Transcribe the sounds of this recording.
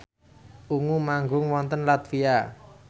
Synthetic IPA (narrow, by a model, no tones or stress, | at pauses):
uŋumaŋɡʊŋwɔnt̪ənlat̪fia